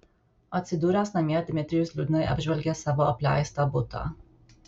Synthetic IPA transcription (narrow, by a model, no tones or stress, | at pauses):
ɐt̪ʲsʲɪd̪uːɾʲɛsnɐmʲiɛt̪ʲɪmʲɛt̪ʲɾʲɪjʊslʲuːd̪ʲɪnoɪʔɐ̰bʲʒʲʋʲɛlʲɡʲeːsɑʋoːɐpʲlʲæ̰ˑɪst̪oːbʊt̪o̰ː